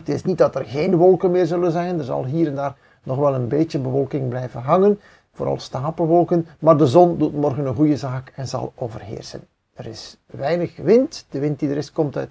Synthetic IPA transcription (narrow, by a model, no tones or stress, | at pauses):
ətɪsnit̚dɑtərɣeːnʋɔlˠkənmɪːrzɵlənzɛjndərzɑ̰lˠɦiːɾɛndaːr | nɔxʋɛlˠənbeːtəbəʋɔlˠkɪŋblɛjvənɦɑŋən | voːɾɑ̰lˠstaːpəʋɔlˠkənmaːrdəzɔndutmɔrɣənənɣujəzaːkɛnzɑ̰lˠoːvə̰rɦḛːrsə̰n | əɾɪs | ʋɛjnəχʋɪntd̥əʋɪnt̚didəɾɪskɔmtœ̰t